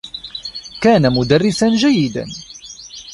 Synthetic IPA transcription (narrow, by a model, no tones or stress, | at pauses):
kaːnamʊd̪arːɪsanʒajːɪd̪a̰n